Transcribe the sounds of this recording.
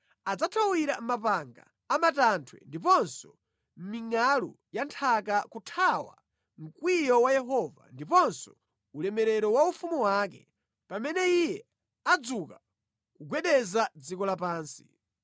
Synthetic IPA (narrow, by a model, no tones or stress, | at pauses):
ad͡zatʰawiɾamapaŋɡa̰ːmatantʰwɛ̰ndipɔnsɔ | m̩miŋalu | jantʰakakutʰawa̰ | m̩kwijɔwajɛɦɔva̰ndipɔnsɔ̥ | ulɛmɛɾɛɾɔwaufumuwakɛ̰ | pamɛnɛijɛ | ad͡zuka | kuɡwɛɗɛzad͡zikɔlapaːnsi̥